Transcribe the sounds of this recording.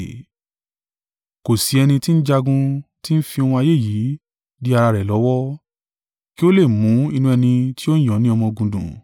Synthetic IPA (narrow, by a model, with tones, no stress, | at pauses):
ko˨si˨˦ɛ˧nĩ˧ti˦n̩˦d͡ʒa˧ɡũ˧ti˦n̩˦fi˧ɔ˧w̃ɔ̃˧a˧je˦˨ji˨˦ | di˦a˧ɾa˧ɾɛ˨lɔ˨˦wɔ˦ | ki˦o˦le˦˨mũ˨˦i˧nũ˧ɛ˧nĩ˧ti˦õ˦˨j̃ɔ̃˨˦nĩ˦ɔ˧mɔ̃˧ɡũ˨dṵ̃˨